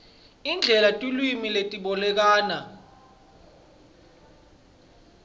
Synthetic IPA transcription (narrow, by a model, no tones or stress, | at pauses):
ind͡ɮʱɛlatʼulwimiletʼiɓɔlɛk̬aːna